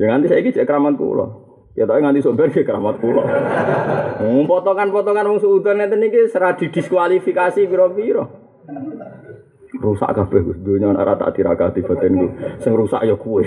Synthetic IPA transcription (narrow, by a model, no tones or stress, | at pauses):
d͡ʒəŋant̪isaiki̥d͡ʒ̥ɛʔkəɾamat̪̚kṵlɔ̰ | ɛt̪ɔʔeŋanisod̪and͡ʒɛʔkəɾamat̪̚kulɔ̰ | pɔt̪ɔkanpɔt̪ɔkanwɔŋsuut̪ərnɛt̪ənikesəɾad̪̥i̤ɡ̥i̤skwalifikasipiɾɔpiɾɔ | rusa̰ʔkab̥ɛhɡsd̪̥oɲɔna̰ɾʔa̰t̪a̰ʔt̪iɾa̰kad̪̥i̤b̥a̤t̪ɛnkusɪŋrusa̰ʔjɔkuɪ